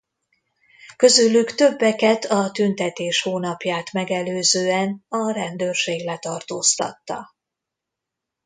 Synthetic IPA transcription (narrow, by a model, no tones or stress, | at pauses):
kø̞zylːykt̪ø̞bːɛkɛt̪ʰɒt̪ynt̪ɛt̪eːʃhoːnɒpjaːt̪mɛɡɛløːzøːɛnɒɾɛnd̪øːrʃeːɡlɛt̪ɒrt̪oːst̪ɒ̰t̪ːɒ̰